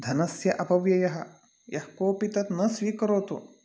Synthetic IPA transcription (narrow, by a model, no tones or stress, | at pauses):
d̪ʱɐnɐsjɐʔɐpɐʋjɐjɐɦɐ | jɐhkoːpit̪ɐt̪nɐsʋiːkɐɾoːt̪o̰